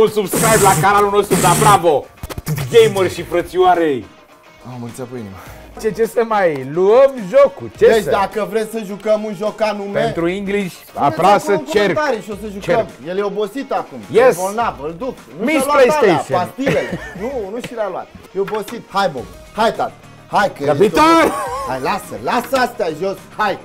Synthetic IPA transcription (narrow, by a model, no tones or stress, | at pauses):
unsubskɾajblakanaluno̞st̪ɾud̪abɾavoɡejmərʃipɾət̪siuaɾej | aməɾit̪siapoinḭmat͡ʃet͡ʃesəmajluəmʒokut͡ʃed̪et͡ʃd̪akəvɾesʲsəʒukəmunʒo̞kanumpennt̪ɾuiŋɡliʃʲ | a̰pɾasət͡ʃt͡ʃert̪aɾiʃiosəʒut͡ʃeəmjeljeobosit̪akumjesbolnavɨld̪uknumislaeiaiseast̪ilelenunuʃilalua̰t̪̚jeobosit̪hajbo̰ɡ | hajt̪at̪ | hajkəabiaajlasəlasast̪ɛaʒoshaj